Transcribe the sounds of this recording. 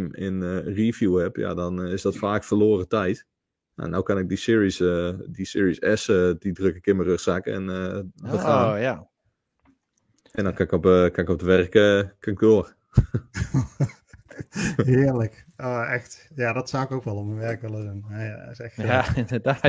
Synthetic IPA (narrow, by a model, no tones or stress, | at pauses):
mɪ̰nərivjuhɛpja̰dɔnɪsdɔtfaːkfərloːrətɛjt | ja̰nawkanɪk̚disɪɹisdisɪːɹisɛsədidrøkɪkɪnmərøχsakɛ̰nəbəfaːa | ɛndɔnkanɪkɔpkanɪkɔp̚dəʋɛrkəkanɪɡ̚doər | ɦɪərlək | oːɛxtjadɔtsawɪkowkʋɛlˠɔmənʋɛrkʋɛlˠəsunaaɪsɛxaɪndədaː